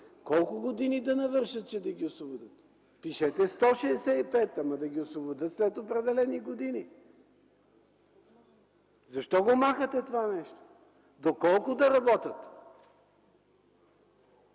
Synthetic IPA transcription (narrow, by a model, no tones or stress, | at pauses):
kɔlˠkʊɡod̪inid̪ɐnɐvɤɾʃət̪̚t͡ʃɛd̪ɐɡʲiosvobʊd̪ət̪ | piʃɛt̪ɛst̪ɔʃɛd̪ɛsɛipɛt̪ɐmɐd̪ɐɡʲiosvobod̪ət̪slɛt̪opɾɛd̪ɛlɛniɡod̪ini | zɐʃt̪ɔɡomaxət̪ɛt̪ovanɛʃt̪o̥ | d̪okɔlˠkʊd̪ɐɾɐbɔt̪ət̪